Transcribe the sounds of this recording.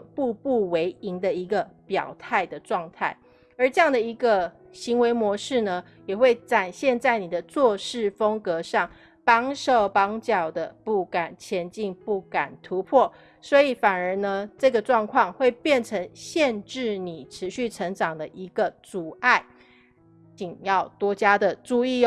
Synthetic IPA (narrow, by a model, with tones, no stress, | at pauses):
pu˥˧pu˥˩we˧˥ɪi˧˥ŋd̪ə˨i˧˥ɡə˨pjɑ̰˨˩ʊt̪ʰa˥˩ɪd̪ə˩ʈ͡ʂwɑ˥˧ŋt̪ʰa˥˩ɪ | ə˞˧˥ʈ͡ʂɤ˥˧jɑ˥˩ŋd̪ə˩i˧˥ɡə˧ | ɕi˧˥ŋwe˧˥ɪmwɔ˧˥ʂɻ̩˥˩nə˩ | jɛ˨˩xwe˥˩ɪʈ͡ʂa˨˩nɕjɛ˥˧nt͡sa˥˩ɪni˨˩d̪ə˦t͡swɔ˥˧ʂɻ̩˥˩fə˥ŋkɤ˧˦ʂɑ˥˩ŋ | pɑ˥ŋʂo˥˩ʊpɑ˥ŋt͡ɕjɑ˨˩ʊd̪ə˩pu˥˩ka˨˩nt͡ɕʰjɛ˧˥nt͡ɕi˥˧ŋpu˥˩ka˨˩nt̪ʰu˧˦pʰɔ˥˩ | swɔ˧˥i˨˩˦fa˨˩nə˞˧˥nə˧ʈ͡ʂɤ˥˩ɡə˩ʈ͡ʂwɑ˥˧ŋkʰwɑ˥˧ŋxwe˥˧ɪpjɛ˥˩nʈ͡ʂʰə˧˥ŋɕjɛ˥˧nʈ͡ʂɻ̩˥˩ni˨˩ʈ͡ʂʰɻ̩˧˦ɕy˥˩ʈ͡ʂʰə˧˥ŋʈ͡ʂɑ˨˩ŋd̪ə˦ʔi˧˥ɡ̥ə˧t͡su˨˩a˥˩ɪ | t͡ɕi˨˩ŋjɑ˥˩ʊt̪wɔ˥t͡ɕja˥d̪ə˨ʈ͡ʂu˥˧i˥˧